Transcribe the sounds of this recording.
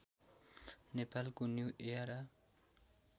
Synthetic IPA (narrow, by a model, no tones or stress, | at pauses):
nepalkonjuʔeaɾa